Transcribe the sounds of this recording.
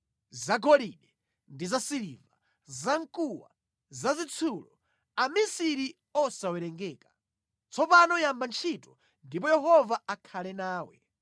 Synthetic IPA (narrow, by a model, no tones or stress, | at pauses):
zaɡɔliɗɛ | ndizasiliva | zaŋkʼuwa̰ | zazit͡sʰulɔ | amisiɾi | ɔsawɛɾɛŋɡɛːkḁ | t͡sʰɔpanɔjambant͡ʃʰitɔ | ndip̬ɔjɛɦɔvaakʰalɛnaːwɛ̰